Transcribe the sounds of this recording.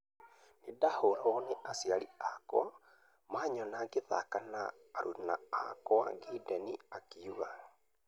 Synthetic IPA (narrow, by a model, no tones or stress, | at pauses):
nedahoɾɔneʔasiaɾiakw̰a | maːɲɔnaɡeða̰kana̰ː | ɾuna̰ːkɔaŋɡidɛniakiuɣa